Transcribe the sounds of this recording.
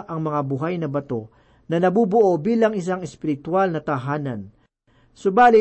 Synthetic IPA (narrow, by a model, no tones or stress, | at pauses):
ʔɐŋmɐŋabʊɦajnɐbɐt̪o̞ | nɐnɐbubʊʔo̞biːlɐŋɪs̬aŋɛspɪɾɪt̪walnɐt̪ɐɦaːnɐ̰n | sʊbaːlɪ